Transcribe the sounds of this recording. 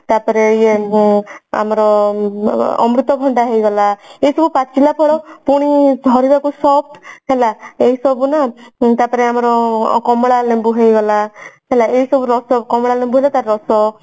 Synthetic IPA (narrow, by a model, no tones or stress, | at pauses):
t̪aɾpɔɾeie | a̰mɔɾɔ | ɔ̰mɾut̪ɔbʱɔɳɖaɦejɡɔlaeisɔbupat͡ʃilapʰɔɽɔpuɽ̃idʱɔɾibakusɔb̚ɦelaeɦisɔbunat̪apɔɾeamɔɾɔkɔmɽalembuɦejɡɔlaɦelaeisɔbuɾɔsɔkɔmɔɽalembuɦelat̪aɾːɔsɔ